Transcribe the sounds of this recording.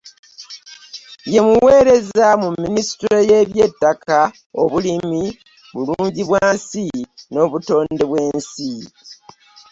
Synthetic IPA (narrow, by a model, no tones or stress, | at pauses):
je̞muweːɾe̞zamumːinisi̥tɾo̞je̞ːβje̞tːaka | o̞βulimi | βuluːɲɟiβwaːnsino̞ːβuto̞ːndeβwe̞ːnsi